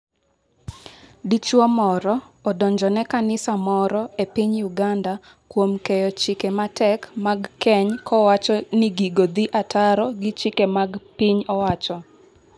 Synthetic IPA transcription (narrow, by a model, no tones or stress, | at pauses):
dit͡ʃwɔmɔɾɔː | dɔɲd͡ʒɔnɛkanɪsamɔɾɔepiɲjuɡanda | kwomkejɔt͡ʃɪkematɛkmaɡkɛɲkɔwat͡ʃɔnɪɡiɡod̪iʔatʰaɾɔɡɪt͡ʃɪkemaɡpiɲɔwat͡ʃɔ